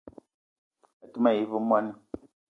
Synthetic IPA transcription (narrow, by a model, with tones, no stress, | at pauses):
a˨tu˦ma˦˨ji˨vɨ˦mwa˦nə˦